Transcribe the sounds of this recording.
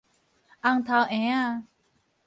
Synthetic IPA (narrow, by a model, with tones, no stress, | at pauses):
ʔa˧ŋt̪ʰa˧wʔɛ̃˧˦a˧